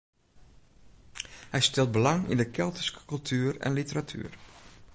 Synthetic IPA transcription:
hɛjstɪlˠt̚bəlɑŋḭndəkʰɛlˠtə̥skə̥kɵlˠtʰyːərɛ̰nlitəratʰy̰ːər

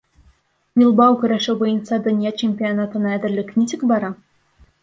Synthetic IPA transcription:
vʲilˠbɑwkʲŭɾʲæʂɘ̆bɯjɤ̆nsɑd̪ɘ̆nʲjɑt͡ɕemʲpʲionɑt̪ɤ̆nɑæd̪ʲɘ̆rʲlʲɘ̆kʲnʲitʲɘ̆kʲbɑɾɑ

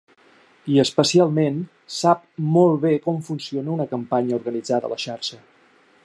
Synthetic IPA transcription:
iəspəsialˠmen | sap̚mɔlˠβekɔɱfunsionəunəkəmpaɲəuɾɣənid͡zaðə̰ləʃaɾʃə

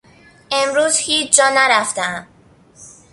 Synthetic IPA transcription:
ʔemɾuːzhiːt͡ʃd͡ʒɒːnæɾæft̪eæm

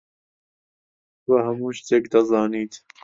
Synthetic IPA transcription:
wahɐmuːʃt̪ʰeːkd̪ɐzɑːniːt̪

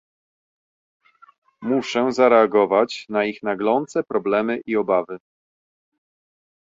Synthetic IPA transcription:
muʂɛzaɾɛaɡɔvat͡ɕnaixnaɡlɔnt̪sɛpɾɔblɛmɘʔiɔbavɘ

